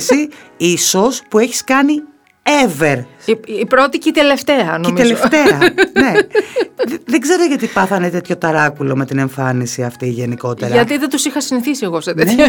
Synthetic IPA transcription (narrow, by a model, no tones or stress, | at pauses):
siiso̞spue̞çi̥skɐni | eve̞ɾiipɾo̞t̪icit̪ele̞ft̪eɐnoimielzeft̪e̞ɐne̞ | ððeɡze̞ɾoʝɐt̪ipɐθɐnet̪e̞t̪ço̞t̪ɐɾɐkulo̞me̞t̪ine̞ɱfɐnisiɐft̪iːʝe̞niko̞t̪e̞ɾɐɐt̪iðet̪usixɐsiniθisieɣoset̪ee